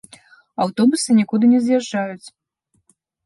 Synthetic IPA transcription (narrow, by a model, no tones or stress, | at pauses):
awt̪ɔbusɨnʲikud̪ɨnʲɛzjaʐajut͡sʲ